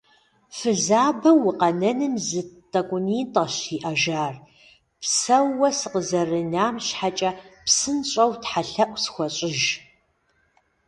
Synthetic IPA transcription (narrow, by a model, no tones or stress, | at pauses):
fɨzaːbɐwʊqɐnɐnɨmzɨtʼɐkʷʼʊniːntʼɐɕiːʔɐʒaːr | psɐwɐsɨqəzɐrɨnaːmɕħat͡ʃʼɐpsɨnɕʼɐwtħaɬɐʔʷsxʷɔɕʼɪʒ